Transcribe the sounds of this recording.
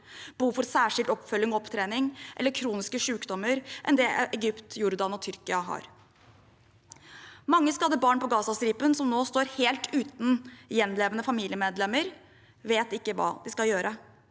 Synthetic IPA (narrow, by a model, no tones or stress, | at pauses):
b̥uːfɔɾsæːʂɪlt̪ɔpfœlːɪŋɔɔpt̪ʰɾeːnɪŋʔɛ̰lːəɾkʰɾuːnɪskəʂʉːkd̪ɔmːəɾʔɛ̰nd̪ɛːʔɛɡʏpt̪jʊɾd̪ɑnɔt̪ʰʏɾkɪɑɦɑ̰ːɾ | mɑŋːəskɑlːəbɑːɳpɔɡɑːsɑsɾiːpənsɔmnoːst̪oːɾheːlt̪ʰʉːt̪n̩jɛnleːʋənəfɑmiːlɪəmeːd̪lɛmːəɾ | ʋeːt̪ɪkːəʋɑ̰ːd̪ɪskɑljøːɾʔə